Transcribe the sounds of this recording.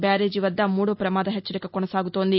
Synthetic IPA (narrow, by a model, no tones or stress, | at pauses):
baːɾeːd͡ʒiʋɐd̪ːɐmuːɽopɾɐmaːd̪ɐɦet͡ʃːɐɾikɐkonɐsaːɡut̪o̞ːnd̪i